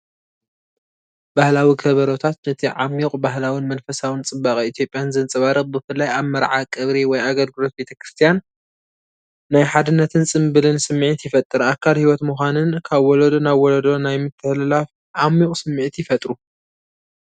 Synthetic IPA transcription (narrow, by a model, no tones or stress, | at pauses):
b̥ahlawikʰɐβɐɾot̪ʰat̪̚nɐt̪ʰiʕamːikʼbaɦlawinmɐnfɐsawɨnt͡sʼɨbakʼiit̪ʰjo̞pʼjanzɨnt͡sʼɨβaɾɨχʼbɨfɨlːajaβmɐɾʕakʼɨβɾiwɔjaɡɐlɡɨlo̞t̪̚be̞t̪ʰɐkɾɨst̪ʰijan | ajħad̪ɨnːɐt̪ʰɨnt͡sʼɨmbɨlɨnsɨmːiʕit̪jɪfɐt̪ʼːɨɾakʰːalhiwɔt̪muxʷanɨnkʰaβwɔlɐd̪onaβwɔlɐd̪o̞najmɨt̪ʰːɨhlɨlaf | ʕamikʼsɨmːiʕt̪jɪfɐt̪ʼɾu